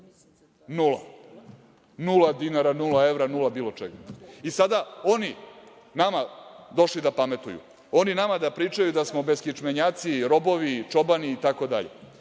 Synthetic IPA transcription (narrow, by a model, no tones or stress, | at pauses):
nula̰ | nulad̪inaɾanulae̞vɾanulabiːlo̞t͡ʃeɡaisad̪aoni | namad̪o̞ʃlid̪apame̞t̪ujṵ | o̞ninamad̪apɾiːt͡ʂajud̪asmo̞be̞skit͡ʂmeɲaːt̪siɾo̞bo̞ʋit͡ʂo̞baniːt̪ako̞d̪a̰ʎḛ